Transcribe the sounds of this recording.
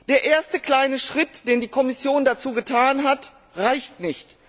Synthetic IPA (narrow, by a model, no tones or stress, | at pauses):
d̥eːɐʔeːɐstəkl̥aɪnəʃʁ̥ɪtd̥eːndiːkʰɔmɪsjoːndat͡suːɡətʰaːnɦat | ʁaɪçtnɪçt